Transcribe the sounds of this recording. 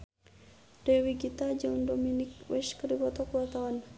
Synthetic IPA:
dɛwiɡit̪ad͡ʒandominikwɛskəɾibɔt̪ɔkəwat̪awan

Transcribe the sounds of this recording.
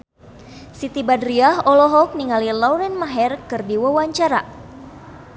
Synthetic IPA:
sit̪ibadɾiaɦɔlɔɦɔk̚niŋalilɔwɾɛnmaɦɛrkɨrdiwawaɲt͡ʃaɾa̰

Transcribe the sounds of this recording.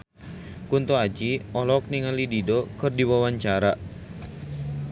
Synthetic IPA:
kunt̪uad͡ʒiɔlɔk̚niŋəlididokɨrdiwawaɲt͡ʃaɾa

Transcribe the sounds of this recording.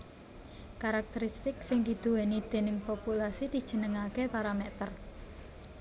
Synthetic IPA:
kaɾak̚t̪əɾist̪ɪksɪŋd̪i̤d̪̥uwenid̪̥e̤nɪŋpopulasid̪̥i̤d̥ʒ̥ə̤nəŋakepaɾamɛt̪ər

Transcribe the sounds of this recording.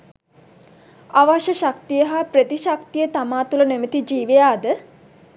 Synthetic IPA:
aʋaʃəʃak̚t̪ijəɦaprət̪iʃakt̪ijət̪amaːt̪ulənemət̪id͡ʒiːʋejaːd̪ə

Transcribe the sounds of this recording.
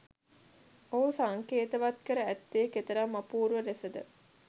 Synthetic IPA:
oɦusaŋkeːt̪əʋat̪kəɾəæt̪ːeːket̪əɾamːapuːɾʋəɾesəd̪ə̰

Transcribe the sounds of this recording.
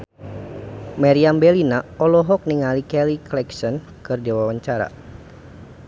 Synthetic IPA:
maɾiambɛlinaɔlɔɦɔk̚niŋalikɛliklɛksɔn | kɨrdiwawaɲt͡ʃaɾa̰

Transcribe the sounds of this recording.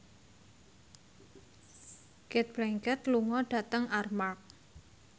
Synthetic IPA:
kɛt̪̚b̥lɛŋkət̪luŋɔɖ̥a̤t̪əŋarmark̚

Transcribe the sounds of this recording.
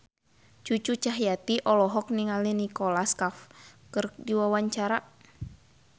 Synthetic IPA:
t͡ʃut͡ʃut͡ʃaɦjat̪iʔɔlɔɦɔk̚niŋalinikɔlaskafkɨrdiwawaɲt͡ʃaɾa

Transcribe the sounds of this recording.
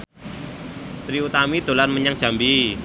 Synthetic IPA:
t̪ɾiut̪amid̪̥o̤larməɲaŋ̥ʒ̥a̤mbi

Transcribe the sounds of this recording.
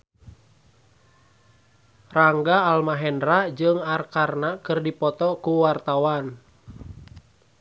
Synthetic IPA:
raŋɡaːlmaɦɛndrad͡ʒɨŋarkarnakɨrdipɔt̪ɔkuwart̪awan

